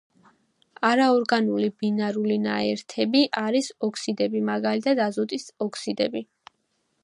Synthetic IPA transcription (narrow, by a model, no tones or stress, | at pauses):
aɾaɔɾɡanulibinaɾulinaɛɾt̪ʰɛbiʔaɾisɔkʰsid̪ɛbimaɡalit̪ʰad̪azɔt̪ʼisɔkʰsid̪ɛ̰bi